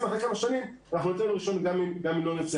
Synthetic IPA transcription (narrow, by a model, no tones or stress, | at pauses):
matekamaʃanimanaχnunot̪enuʁiʃo̞nɡamimɡamimlonet͡s